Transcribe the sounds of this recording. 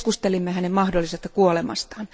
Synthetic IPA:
kust̪elimːehænemmɑhdolːisest̪ɑkuolemɑ̰st̪ɑːn

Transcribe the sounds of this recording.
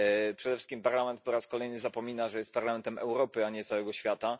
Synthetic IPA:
pʂɛd̪ɛfʂɘ̥kʲimpaɾlamɛnt̪̚pɔɾaskɔlɛjnɘzapɔmʲinaʐɛjɛst̪paɾlamɛnt̪ɛmʔɛ̰wɾɔpɘaɲɛt̪sawɛɡɔɕfʲjat̪a

